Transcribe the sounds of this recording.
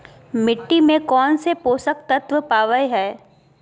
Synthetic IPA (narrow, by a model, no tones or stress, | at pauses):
mɪʈːimẽkɔːnsepoːsək̚t̪ət̪ʋəpaːʋəjɦɛː